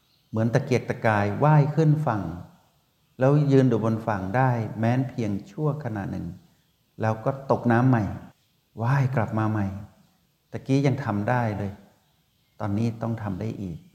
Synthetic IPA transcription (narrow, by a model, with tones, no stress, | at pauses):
mɯ˩˦ənt̪aː˨˩ki˨˩ə˩k̚t̪a˧˩kaː˧jwaː˥˩jkʰɯ˥˩nfa˨˩ŋ | lɛː˦˥wjɯː˧nduː˨˩bo˧nfa˨˩ŋdaː˥˩jmɛː˦˥npʰi˧əŋt͡ɕʰu˥˩əkʰa˧na̰˨˩t̪̚nɯ̰˨˩ŋ | lɛː˦˥wkɔː˥˩t̪o˨˩k̚naː˦˥mːa˨˩j | waː˥˩jkla˨˩p̚maː˧ma˨˧˩j | t̪a˨˩kiː˦˥ja˧ŋt̪ʰa˧mdaː˥˩jlɤː˧j | t̪ɔː˧nːiː˦˥˩t̪ɔ˥˩ŋt̪ʰa˧mdaː˥˩jʔiː˨˩k̚